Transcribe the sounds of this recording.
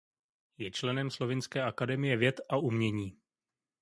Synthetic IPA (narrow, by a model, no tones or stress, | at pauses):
jɛt͡ʃlɛnɛmslo̞vɪnskɛːʔakadɛmɪjɛvjɛt̪ʔaʔumɲɛɲiː